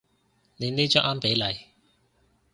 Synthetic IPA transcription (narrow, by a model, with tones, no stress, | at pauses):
ne˨˧jneː˥jt͡ʃœ˥ʔaː˥mpe˨˥jlɐ˨˧j